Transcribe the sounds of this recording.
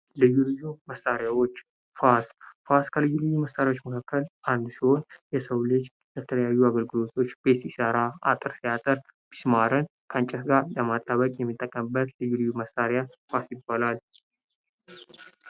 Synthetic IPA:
lɨjːulɨjːuməsaɾjawo̞t͡ʃː | fasfaskʰəlɨjːulɨjːuməsːaɾjawo̞t͡ʃːməkʰakːəlʔand̪siho̞njɛsəwlɨd͡ʒ | bət̪ʰələjajːuaɡəlɡɨlo̞t̪ʰo̞t͡ʃːb̥e̞t̪ɪsəɾaa̰t̪ʼɨɾsijat̪ʼəɾ | b̥i̥smaɾɨnkʰəant͡ʃʼɛtɡaɾləmat̪ʼːaβəkʼjɛmːit̪ʼːəkʼːəmɨbːət̪lɨjːulɨjːuməsaɾjafasjɪbːalal

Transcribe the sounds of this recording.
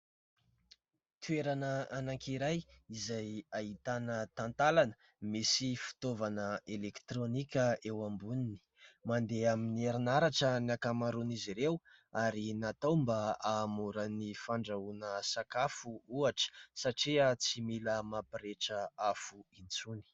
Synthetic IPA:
t̪ʰueɾanəanaŋkiɾajizajaɦit̪anət̪ant̪alanə̥ | misifi̥t̪ovanəelekt̪ɾonikʲəewambunini̥mand̪eaminieɾinaɾaʈ͡ʂəniakamaɾuniziɾewaɾinat̪awmbaaːmuɾənifaɳɖ͡ʐaunəsakafuuaʈ͡ʂə̥saʈ͡ʂiat͡similəmapiɾeʈ͡ʂəafuit͡suni̥

